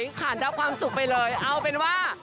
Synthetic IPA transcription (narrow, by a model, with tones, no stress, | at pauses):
jkʰaː˨˩˦nda˨˧˦p̚kʰwaː˧msu˨˩k̚pa˧jlɤː˧jʔa˧wpe˧nwaː˥˩